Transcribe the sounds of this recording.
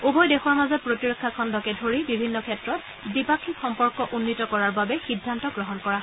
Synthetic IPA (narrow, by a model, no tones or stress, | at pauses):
ubɔjdexɔɹmazɔt̚pɹotiɹokʰːakʰɔndɔkɛdʱoɹibibʱinːɔkʰɛtɹɔt | bipakʰːixɔmpɔɹkɔʔunːitɔkɔɹaɹbabɛxidʱːantɔɡɹɔɦɔnkɔɹa